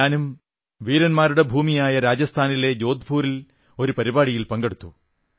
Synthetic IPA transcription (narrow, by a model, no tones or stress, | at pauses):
aːnum | ʋiːɾɐnmaːɾuɽe̞bʱuːmijaːjɐɾaːd͡ʑɐst̪ʰaːnile̞d͡ʑo̞ːd̪ʱbʱuːɾil | o̞ɾupɐɾibaːɽijilpɐŋɡe̞ɽut̪ːu